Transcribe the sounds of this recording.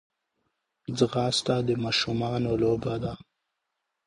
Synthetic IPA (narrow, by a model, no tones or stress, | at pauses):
zɣɑːst̪ad̪əmɑːʃumɑnolobad̪a